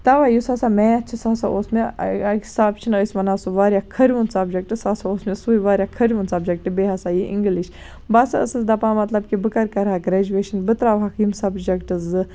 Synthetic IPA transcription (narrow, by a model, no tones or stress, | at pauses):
t̪ɐʋaːjusasamẽɐt͡ʃʰisaːsaʔoːsmʲiksaːbt͡ʃʰinəsʲmɐnasuʋaːɾʲjaːkʰɐɾʲʋunsɐbd͡ʒɐk̚ʈɨsasaoːsmʲisuiʋaːɾʲjakʰɐɾʲʋunsɐbd͡ʒɐk̚ʈɨbeːɦasaːjiʔḭŋɡliʃ | basɨə̰sɨzd̪ɐpaːmɐt̪lɐb̚kibɨkɐɾkɐɾaːɡɾeːd͡ʒuʋeːʃɐnbɨt̪ɾaːʋɦɐkiːmsɐbd͡ʒɐkʈɨzɨ